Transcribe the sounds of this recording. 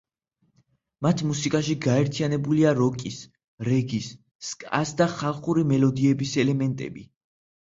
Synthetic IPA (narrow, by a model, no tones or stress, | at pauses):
mat̪ʰmusikʼaʃiɡaɛɾt̪ʰijanɛbuliaɾɔkʼis | ɾɛɡisː | kʼa̰sd̪aχalˠχuɾimɛlɔd̪iɛbisɛlɛmɛnt̪ʼɛ̰bi